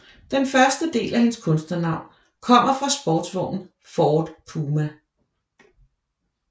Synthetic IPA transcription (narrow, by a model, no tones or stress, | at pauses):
d̥enfɶɐsd̥əd̥e̝̰ːlæhe̝nskʰɔ̽nsd̥nɐnɑ̈ʊ̰n | kʰɒ̽m̰ɐfʁɑ̈sb̥ɒːd̥sʋɒ̰ʊ̰n̩ | fɒːd̥pʰuːmæ